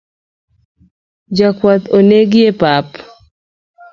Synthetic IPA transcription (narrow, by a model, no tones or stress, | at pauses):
d͡ʒakwat̪oneɡɪjepap